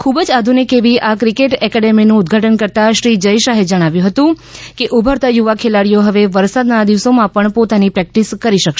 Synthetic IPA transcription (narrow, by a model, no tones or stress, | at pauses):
kʰubd͡ʒad̪ʱunikeʋiʔakɾikeʈɛkɛɖeminũːd̪ɡʱaʈənkəɾt̪aʃɾid͡ʒəjʃaɦed͡ʒəɽ̃aʋjũɦət̪ũ | keʔubʱəɾt̪ajuʋakʰelaɽijoɦəʋeʋəɾsad̪nad̪iʋsomãpəɳpot̪anipɾɛk̚ʈiskəɾiʃəkʃ